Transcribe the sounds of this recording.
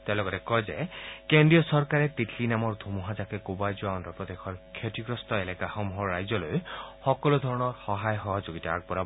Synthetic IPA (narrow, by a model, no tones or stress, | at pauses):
tɛ̃lɔɡɔtɛkɔjzɛ̰kendɹijɔsɔɹkaɹɛt̪itʰlinamɔɹd̪ʱumuɦazakɛkubajzuaɔndɔpɹɔd̪exʰɔɹkʰjotiɡɹɔstɔelɛkaxɔmuɦɔɹːajzɔlojxɔkɔlod̪ʱɔɹɔnɔɹxɔɦajxɔɦɔd͡ʒoɡitaaɡ̚bɔɾa